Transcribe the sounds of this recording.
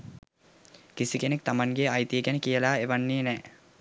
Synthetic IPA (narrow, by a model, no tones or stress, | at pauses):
kisikenek̚t̪amaŋɡeajt̪ijəkænəkijəlaːeʋanːiːnɛː